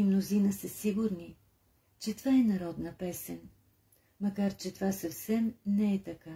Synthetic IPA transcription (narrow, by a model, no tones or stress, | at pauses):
imnozinəsəsiɡʊɾni | t͡ʃɛt̪vaɛnɐɾɔd̪nəpɛsɛn | mɐkaɾt͡ʃɛt̪ovasɐfsɛmnɛɛt̪ɐka